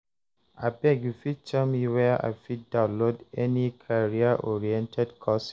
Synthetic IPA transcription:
a̰bɛɡjufit͡ʃɛmiwɛʔa̰fidãʊ̃lodɛnikʰaɹiaʔɔɹiɛ̃ntʰɛdkʰɔs

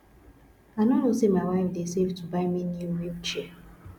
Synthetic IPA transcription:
aɪnɔnosemaɪwaɪfdesevtʰubaɪminjuɹit͡ʃi

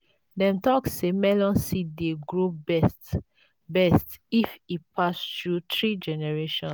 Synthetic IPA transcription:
dɛ̃mtɔksːemɛlɔ̃nsideɡɹobɛs | bɛstifipʰastɹutɹid͡ʒɛnɛɹeʃɔ̃n

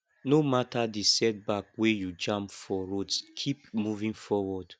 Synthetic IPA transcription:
nomatʰadisɛt̚bakwejud͡ʒãmpfɔɹodskʰipmuvĩŋfɔwɔd

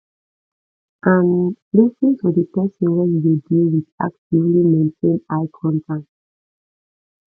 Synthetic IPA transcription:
ʔãnlisĩntudəpɛsɔ̃nwɛnjudilwida̰k̚tivlimẽntʰẽnaɪkʰɔ̃ntʰãnt

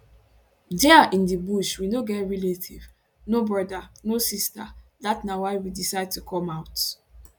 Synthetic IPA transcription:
dɛaʔĩndibuʃwinoɡɛtɹiletʰiv | nobɹɔdanosista̰datnawaɪwidisaɪd̚tukʰɔ̃maʊt

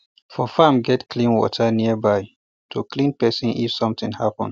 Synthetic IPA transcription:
fɔfamɡɛtkʰlĩnwɔ̰tʰəniəbaj | tʰuklĩnpɛsĩnʔḭfsʌ̃mt̪ĩŋhapə̰̃n

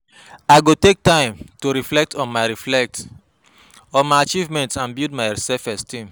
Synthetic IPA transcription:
aɪɡotek̚tãɪ̃mtoɾiflɛk̚tʰɔ̃nmaɪɹiflɛk̚t | ɔ̃nmaɪat͡ʃivmɛ̃ntãnbidmaɪɹisɛfɛstʰĩm

